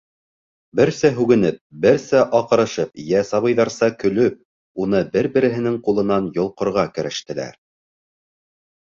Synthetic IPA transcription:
bɘɾsæɦʉɡɘ̆nɘp̚bɘɾsæʔɑqɤ̆ɾɤ̆ʃɤp̚jæsɑβɤ̆jðɑɾsɑkɵ̆lɵp̚ | unɤbɘɾbɘ̆ɾɘ̆ɦɘ̆nɘŋqulˠɤ̆nɑnjŏlˠqŏɾʁɑkɘ̆ɾɘ̆ʃt̪ɘ̆læ̰ɾ

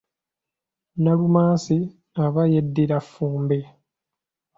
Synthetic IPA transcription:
nalumaːsi | aβajedːiɾafːuːmbe

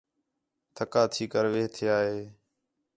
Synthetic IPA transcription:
t̪ʰəkaːt̪ʰiːkəɾʋeːɦt̪ʰɪjaːɦeː

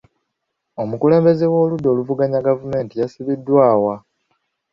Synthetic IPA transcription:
o̞mukule̞ːmbe̞zewo̞ːludːo̞ːluvuɡaɲaɡavume̞ːntijasiβidːwaːwa

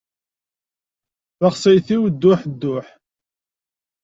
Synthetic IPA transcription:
θɑχsˤəjθiwd̪ːʊħd̪ːʊħ

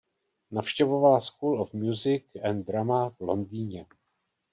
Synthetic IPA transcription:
nafʃcɛvo̞valaskulofmjuzɪkɛnd̪ɾamavlo̞ndiːɲɛ

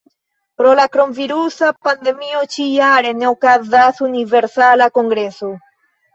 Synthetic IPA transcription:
pɾolakɾomviɾusapand̪emiot͡ʃijaɾenawkaðaθuniveɾsalakoŋɡɾeso

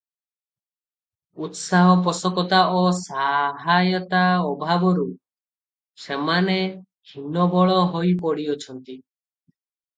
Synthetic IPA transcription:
ut̪saɦɔp̬ɔsɔkɔt̪aosaɦajɔt̪aɔbʱabɔɾu | semane | kʰinɔbɔɭɔɦojpɔɽiɔt͡ʃʰɔnt̪i

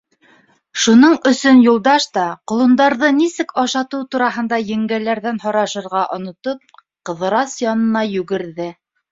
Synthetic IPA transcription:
ʃunɤɴɵ̆sɵnjulˠd̪ɑʃt̪ɑqŏlˠŭnd̪ɑɾðɤnisɘkɑʃɑt̪ɤwt̪uɾɑɦɤ̆nd̪ɑjɘ̆ŋɡælæɾðænɦɑɾɑʃɤ̆ɾʁɑʔŏnŏt̪op̚ | qɤ̆ðɤ̆ɾɑsjɑnɤ̆nɑjʉɡɘ̆ɾðɘ

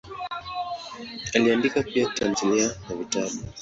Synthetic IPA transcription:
aliandikapiatanzanianavitaɓu

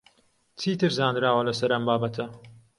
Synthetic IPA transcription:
t͡sʰiːt̪ɨɾzaːnd̪ɾaːwɐlɐsɐɾɐmbaːbɐt̪ʰɐ

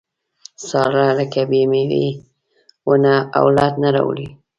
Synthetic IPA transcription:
sɑlaləkabemewḛ | wənaa̰wlɑd̪naɾa̰wə̰li

